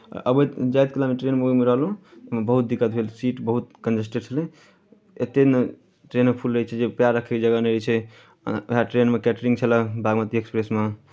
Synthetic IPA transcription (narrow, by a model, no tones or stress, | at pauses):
ʔə̰bəd͡ʒajt̪̚kilameʈɾenmeɡimeɾəɦlũeɦmebəɦut̪̚d̪ikət̪̚bʱelsiʈbəɦut̪kənd͡ʒesʈeɾt͡ʃʰəli | et̪ːene | ʈɾenmepʰulɾəɦɛt͡ʃʰɛd͡ʒepjaɾəkʰekd͡ʒəɡaneɾət͡ʃʰɛ̰ | ḛɦaʈɾenmekɛʈɾiŋt͡ʃʰələbʱaɡmət̪iekspɾesme